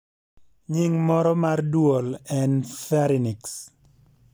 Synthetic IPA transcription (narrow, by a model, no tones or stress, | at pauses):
ɲɪŋmɔɾɔmardwolɛnfɛɾiniks